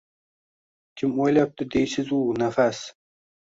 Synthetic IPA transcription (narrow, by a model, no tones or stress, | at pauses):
kʲʰɪmojlap̚t̪ɪd̪ejsɪzunæfæs